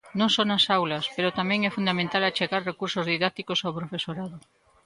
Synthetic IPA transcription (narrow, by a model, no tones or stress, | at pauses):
nõŋsonɐsawlɐspeɾʊt̪amɛ̃ŋɛfund̪amẽnt̪alat͡ʃeɣaɾrekuɾsozðiðak̚t̪ikosawpɾofesoɾaðʊ